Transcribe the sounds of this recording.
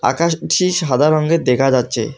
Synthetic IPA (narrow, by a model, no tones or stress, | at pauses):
a̰kaʃʈiʃad̪ʱaɾɔŋɡed̪ekʰad͡ʑatːɕʰe